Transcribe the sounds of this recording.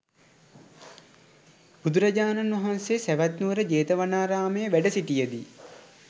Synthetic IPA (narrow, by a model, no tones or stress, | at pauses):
b̥ud̪uɾɐd͡ʒaːnanʋɐɦansesæʋæt̪nuʋəɾəd͡ʒeːt̪əʋanaːɾaːməjəʋæɖəsiʈijəd̪i